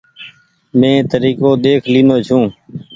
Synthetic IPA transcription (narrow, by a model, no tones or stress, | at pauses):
mẽːt̪əɾiːkoːd̪eːkʰliːnoːt͡ʃʰũː